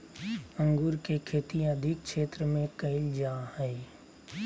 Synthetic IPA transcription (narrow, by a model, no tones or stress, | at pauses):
ə̃ŋɡʊɾkekʰeːt̪ĩɐd̪ʱɪk̚ʃʰeːt̪ɾəmẽkɐɪld͡ʒaːhɛe